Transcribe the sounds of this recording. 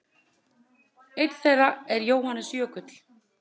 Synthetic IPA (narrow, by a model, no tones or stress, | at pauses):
ejt̪lθɛðaɛɾjoːwhanːʏsjœːkʏt̪l̥